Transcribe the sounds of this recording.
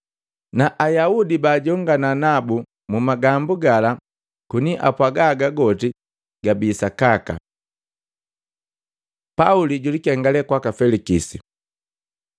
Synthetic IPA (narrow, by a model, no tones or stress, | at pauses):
naʔajaudibaːɟɔŋɡananabu | mumaɡambuɡala | kuniʔa̰pwaɡaɡaɡɔti | ɡ̥abiːsakaka̰ | pauliɟulikɛŋɡalɛkwakafɛlikisḭ